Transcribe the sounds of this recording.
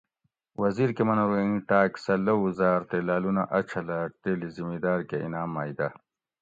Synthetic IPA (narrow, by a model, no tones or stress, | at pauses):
wɐziɾkemɐnɐɾɐiʈaːksɐlɐwuzaːɾt̪elaːlunaʔɐt͡ɕʰɐlaʈ̪eːlizimid̪aːɾkeḭnaːmːaːjd̪ɐ